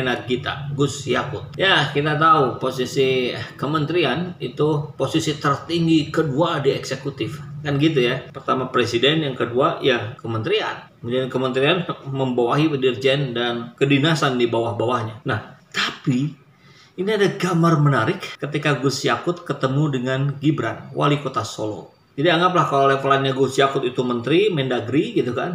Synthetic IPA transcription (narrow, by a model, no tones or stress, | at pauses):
naɡit̪a̰ɡusjakʊt̪̚jakit̪at̪auposisikəmənt̪ɾianit̪uposisit̪ərt̪iŋɡikəduadiɛksekut̪ɪfkanɡit̪̬ujapərt̪amapɾesidɛnjaŋkəduajakəmənt̪ɾianəmudankəmənt̪ɾianməmbawaɦipədird͡ʒɛndankədinasandibawahbawahɲanaht̪api | iniadaɡamarmənaɾɪkːət̪ikaɡusiakʊt̪kət̪əmudəŋanɡibɾanwʔa̰likot̪asolo̰ | d͡ʒadiaŋɡap̬lahkalolefalanɲaɡusjakʊt̪it̪umənt̪ɾimɛndaɡɾiɡit̪ukan